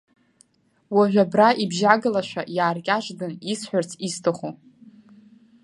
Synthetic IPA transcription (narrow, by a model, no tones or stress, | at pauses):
waʒʷᶣabraʔibʒaɡɨlaʃʷᶣajaːrkʲʼaʒʷdɨnisħʷᶣart͡sʰistʰɨχo